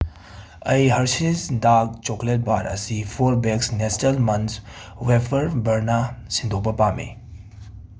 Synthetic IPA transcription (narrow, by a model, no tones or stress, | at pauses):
ɐjɦɐɾsisdak̚t͡ʃoklet̚baɾɐ̰sipʰoɾbeksnestɐlmɐns | wepʰɐɾbɐɾnasind̪ʱopɐpamḛ